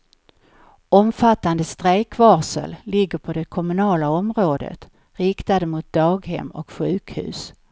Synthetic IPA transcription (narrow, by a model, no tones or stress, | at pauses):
ɔmfat̪ːand̪əst̪ɾeːkvɑːʂə̰lːɪɡːəɾpʰɔd̪ɛkʰɔmɵnɑːlaɔmɾoːd̪ə̰t̪ | ɾɪkt̪ad̪əmʊt̪̚d̪ɑːɡhɛ̰mːɔkɧʉ̟ːkhʉ̟̰ːs